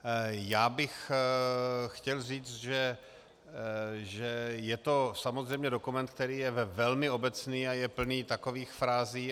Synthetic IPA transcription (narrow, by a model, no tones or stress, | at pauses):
jaːbɪx | xcɛlriːt͡st̪ʒɛ | ʒɛjɛt̪o̞samozrɛjmɲɛdo̞kumɛnt̪k̚t̪ɛɾiːjɛvɛvɛlmɪo̞bɛt͡sniːajɛpl̩niːt̪ako̞viːxfɾaːziː